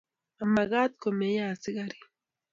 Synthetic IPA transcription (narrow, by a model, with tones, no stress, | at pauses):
a˨ma˨ɣa˦t̪ko˨me˨˦ja˦˨si˦ɣa˦˨ɾi˨